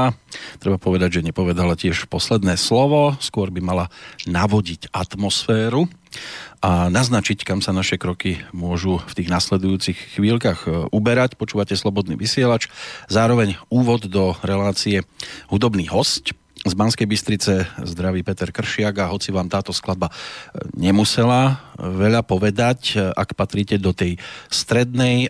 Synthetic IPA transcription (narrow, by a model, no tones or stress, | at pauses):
t̪ɾɛbapɔʋɛd̪aɟʒɛɲɛpɔʋɛd̪alacɪɛʃpɔslɛd̪nɛːslɔʋɔskʊɔɾbimalanaʋɔɟicat̪mɔsfɛːɾu | ʔanaznat͡ʃickamsanaʃɛkɾɔkimʊɔʒuft̪iːɣnaslɛd̪ujuːt͡sixxːʋiːlkaɣubɛɾacpɔt͡ʃuːʋacɛslɔbɔd̪nḭːʋisɪɛlat͡ʃzaːɾɔʋɛɲuːʋɔd̪ːɔɾɛlaːt͡siɛɦud̪ɔbniːɦɔsc | zbanskɛjbist̪ɾit͡sɛzd̪ɾaʋiːpɛt̪ɛɾkr̩ʃɪaɡaɦɔt͡siʋaːmt̪aːt̪ɔsklad̪̚baɲɛmusɛlaʋɛʎapɔʋɛd̪aca̰kpat̪ɾiːcɛd̪ɔt̪ɛjst̪ɾɛd̪nɛj